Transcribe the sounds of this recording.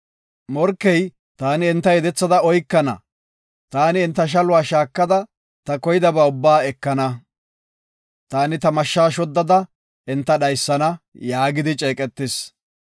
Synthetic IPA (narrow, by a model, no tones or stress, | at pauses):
mɔɾkːɛj | t̪aːnɪɪnt̪ːɐjɛd̪ɛt͡sːɐd̪ɐɔjkːɐnɐ̰ | t̪aːnɪːnt̪ːɐʃ̬ɐlʊwaːʃaːkːɐd̪ɐ | t̪ɐkɔjɪd̪ɐbaːʊbːaːɛkːɐnɐ | t̪aːnɪt̪ɐmɐʃːaːʃɔd̪ːɐd̪ɐ | ɪnt̪ːɐɗɐjsːɐnɐjaːɡɪd̪ɪt͡ʃʼeːkʼɛt̪ːɪs